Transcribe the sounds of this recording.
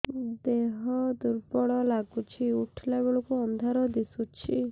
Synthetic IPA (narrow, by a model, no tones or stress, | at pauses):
d̪eɦɔd̪uɾpɔɭɔlaɡut͡ʃʰiuʈʰlebɔɭɔkuɔnd̪ʱaɾɔd̪isut͡ʃʰi